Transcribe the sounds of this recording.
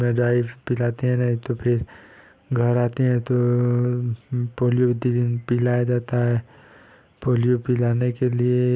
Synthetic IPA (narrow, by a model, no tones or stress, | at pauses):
mẽɖɾaːɪʋpɪlaːt̪eɦɛ̃nɐɦĩt̪opʰɪɾ | ɡʱɐɾaːt̪eɦɛ̃t̪o | poːljod̪idnpɪlaːjad͡ʒaːt̪aɦɛː | poːlijopɪlaːnekelie